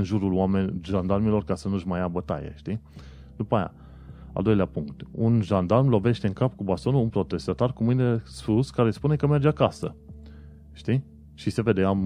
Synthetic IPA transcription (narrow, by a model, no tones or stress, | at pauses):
ɨnʒuɾulwamenʒand̪armilo̞rkasənuʃmajabət̪a̰jḛʃt̪i | d̪upaːja̰ | a̰ld̪o̞jleapuŋkt̪unʒand̪armlo̞ve̞ʃt̪e̞ɨŋkapkubast̪o̞nuunpɾo̞t̪e̞st̪at̪arkumɨjnesfuskaɾe̞spune̞kəme̞rd͡ʒeakasə | ʃt̪i | ʃise̞ve̞d̪eam